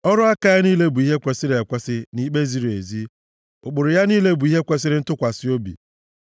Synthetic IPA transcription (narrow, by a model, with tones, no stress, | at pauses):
ɔ˦ɾʊ˦a˦ka˨ja˦niː˦le˦bu˨i˦ɦe˦kʷe˨sɪ˦ɾe˨kʷe˦sɪ˦ni˦k͡pe˦zi˦ɾi˨e˨zi˦ | ʊ˨k͡pʊ˨ɾʊ˨ja˦niː˦le˦bu˨i˦ɦe˦kʷe˨sɪ˦ɾɪ˦n̩˦tʊ˦kʷa˨sɪ˦o˦bḭ˨